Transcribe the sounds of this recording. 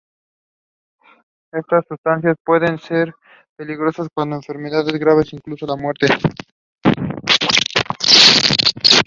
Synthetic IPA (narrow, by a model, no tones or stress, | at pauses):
e̞st̪asːust̪anθjaspwe̞ðe̞nse̞ɾ | pe̞liɣɾo̞saskwand̪oeɱfe̞ɾmeðaðezɣɾaβe̞siŋklusolamwe̞ɾt̪e